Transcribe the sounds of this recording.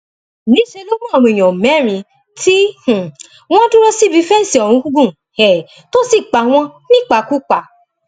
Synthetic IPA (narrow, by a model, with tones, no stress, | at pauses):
nĩ˨˦ʃe˧lo˦mũ˦ɔ˨ɾũ˧i˨j̃ɔ̃˨mɛ̃˨˦ɾ̃ĩ˧ | ti˦h̩˨ | w̃ɔ̃˦tũ˦ɾɔ˦si˦˨bi˧˦fɛ˦n̩˦si˨ɔ˨ɾũ˨˧˦ɡu˦ɡũ˦˨ | hɛ˨ | to˦si˦˨k͡pa˨w̃ɔ̃˦nĩ˦k͡pa˧˨ku˦k͡pa˨